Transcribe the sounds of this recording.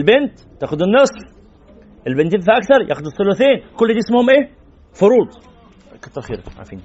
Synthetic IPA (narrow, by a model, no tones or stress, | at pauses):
lbent̪ːæːxʊd̪enːesˤf | ʔelbent̪ed̪faʔɑkθɑɾˤjæ̰ːxod̪esˤːoloθeːnkolːd̪iʔesmohomʔeː | foɾuːd̪ˤ | kɑ̥t̪ˤːɑɾˤxḭːɾʕ̰fḭːn